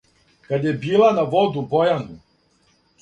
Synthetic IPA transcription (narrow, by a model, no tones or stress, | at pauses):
kad̪jɛbiːlˠanavɔd̪ubɔjanu